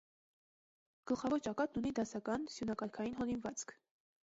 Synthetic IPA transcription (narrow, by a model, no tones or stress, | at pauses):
ɡ̥əlχɑvɔɾt͡ʃɑkɑt̪nunid̪ɑsɑkɑnsjunɑkɑɾkʰɑjinɦɔlinvɑt͡sʰkʰ